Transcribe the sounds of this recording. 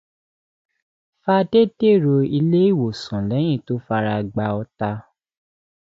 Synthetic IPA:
fa˧de˦de˦˨ɾo˧i˧le˦i˦˨wo˨sɔ̃˨lɛ˨˦j̃ĩ˦˨to˦fa˧ɾa˧ɡ͡ba˧ɔ˧ta˧

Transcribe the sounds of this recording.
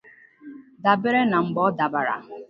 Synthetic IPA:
da˨bɪ˦ɾe˦na˨ŋ͡m̩˨ɡ͡bɔ˦da˨ba˨ɾa̰˨

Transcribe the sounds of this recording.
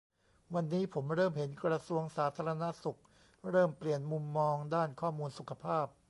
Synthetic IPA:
wa˧nːiː˦˥pʰo˩˦mɾɤː˥˩mhe˩˦nkɾa˧su˧əŋsaː˩˦˥t̪ʰaː˧ɾa˧na˦˥su˨˩k̚ | ɾɤː˥˩mpli˨˩ənmu˧mːɔː˧ŋdaː˥˩nkʰɔː˥˩muː˧nsu˨˩kʰa˧pʰaː˥˩p̚

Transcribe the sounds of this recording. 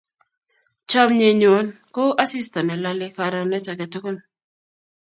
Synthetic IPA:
t͡ʃa˦mɲe˨ɲo˨˦n | ko˦ʔa˦si˦st̪ɔ˨nɛ˨la˦lɪ˦ka˨ɾɔ˨nɛ˦t͡ʃa˨kɛ˨tu˦ko˦n

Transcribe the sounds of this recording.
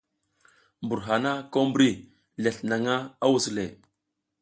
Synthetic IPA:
mbu˨ɾɦa˨na˦ko˦mbɾi˦˨ | le˨ɬna˨ŋa˦a˦wu˨sle˨

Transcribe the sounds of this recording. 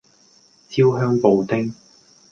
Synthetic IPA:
t͡sʰiː˥wɦœː˥ŋpo˨˧wt̪ɪ˥ŋ

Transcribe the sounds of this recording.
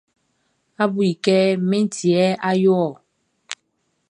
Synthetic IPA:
a˦bu˨i˨kɛ˦me˦n˦ti˨ɛ˦a˦jɔ˦˨

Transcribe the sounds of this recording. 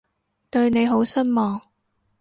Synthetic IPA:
t̪ɵ˧ɥne˨˧jɦo˨˥wsɐ˥nmɔː˨ŋ

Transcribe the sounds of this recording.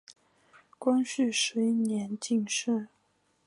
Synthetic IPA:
kwa˥nɕy˥˩ʂɻ̩˧˥i˥˩njɛ˧˥nt͡ɕi˥˧ŋʂɻ̩˥˩

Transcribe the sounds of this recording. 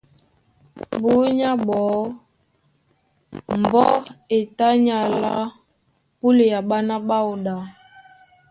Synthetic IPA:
bu˨˦ɲa˦bɔ˨˦ | m̩˨bɔ˦e˨ta˦ɲa˨la̰˦ | pu˦le˨ja˨ɓa˦na˦ɓa˦u˨ɗa˨˦

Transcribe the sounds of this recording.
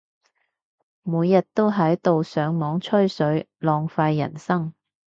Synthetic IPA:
muː˨˧jːɐ˨t̚t̪o˥wɦɐ˨˥jt̪o˨wsœː˨˧ŋmɔː˨˥ŋt͡ʃʰɵ˥ɥsɵ˨˥ɥ | lɔː˨˧ŋfaː˧jːɐ̰˨˩nsɐ˥ŋ

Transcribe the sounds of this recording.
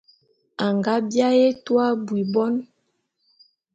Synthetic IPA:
a˨ŋɡa˦bja˦je˦twa˦bwi˨bɔ˦n

